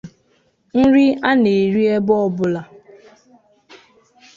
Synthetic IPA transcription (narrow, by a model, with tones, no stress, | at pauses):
n̩˦ɾi˦a˦ne˨ɾi˦e˦bɔ˦ɔ˦bʊ˦la˨